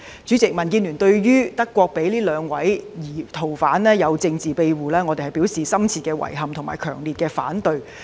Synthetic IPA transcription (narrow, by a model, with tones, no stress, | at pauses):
t͡syː˨˥t͡sɪ˨k̚mɐ˨˩nkiː˧nlyː˨˩nt̪ɵ˧ɥjyː˥t̪ɐ˥kʷːwɔː˧k̚pe˨˥jliː˥lœː˨˧ŋwɐ˨˥jjiː˨˩t̪ʰo˨˩wfaː˨˥nlɛː˥jɐ˨˧wt͡sɪ˧ŋt͡siː˨˩pe˧jwuː˨˩lɛː˥ŋɔː˨˧t̪e˨hɐ˨˩jpi˨˥wsiː˨sɐ˥mt͡sʰiː˧t̚kɛː˧wɐ̰˨˩jɦɐ˨mt̪ʰʊ˨˩ŋma̰ː˨˩jkʰœː˨˩ŋliː˨t̚kɛː˧fa̰ː˨˥nt̪ɵ˧ɥ